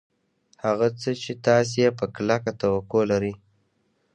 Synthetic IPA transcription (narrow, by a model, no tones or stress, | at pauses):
haɣat͡sət͡ʃet̪ɑs̬jepəklakat̪awakolaɾi